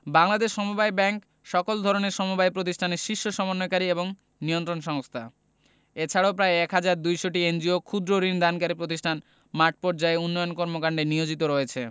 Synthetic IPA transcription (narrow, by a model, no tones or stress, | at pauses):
baŋlad̪eʃːɔmubajbɛŋk | ʃɔkold̪ʱɔɾoneɾʃɔmubajpɾot̪̬iʃʈʰaneɾʃiʃːoʃɔmonːojkaɾieboŋ | niont̪ɾonʃɔŋst̪ʰa̰ | et͡ɕʰaɽaopɾaeɛkɦad͡ʑaɾd̪ujʃoʈiend͡ʑiokʰud̪ɾoɾind̪ankaɾipɾot̪isʈʰan | maɾʈ̚poɾd͡ʑaeunːojonkɔɾmokaɳɖeniod͡ʑit̪oɾɔet͡ɕʰe